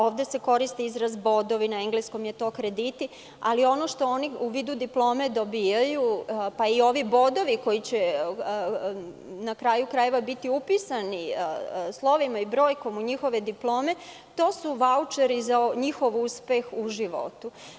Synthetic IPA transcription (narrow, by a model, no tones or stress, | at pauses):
o̞ːʋd̪e̞se̞ko̞ɾist̪eizɾazbo̞d̪o̞ʋinaeŋɡlesko̞mje̞t̪o̞kɾe̞d̪it̪i | a̰lio̞no̞ʃt̪o̞oniuʋiːd̪ud̪iplˠo̞ːme̞d̪o̞biːjajupaio̞ʋibo̞d̪o̞ʋiko̞jit͡ɕe | nakɾaːjukɾaje̞ʋabit̪iupisani | slˠo̞ʋimaibɾo̞ːjko̞muɲixo̞ʋe̞d̪iplˠo̞ːme̞ | t̪o̞ːsuʋaut͡ʃeɾizaɲixo̞ʋuspe̞xuʒiʋo̞̰t̪u